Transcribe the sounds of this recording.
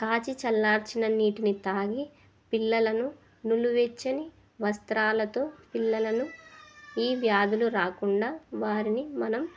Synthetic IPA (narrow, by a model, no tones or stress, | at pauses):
kaːt͡ʃit͡ʃɐlːaːɾt͡ʃinɐniːʈinit̪aːɡi | pilːɐlɐnu | nuluʋet͡ʃːɐni | ʋɐst̪ɾaːlɐt̪o̞ːpilːɐlɐnu | iːʋjaːd̪uluɾaːkuɳɖaːʋaːɾinimɐnɐm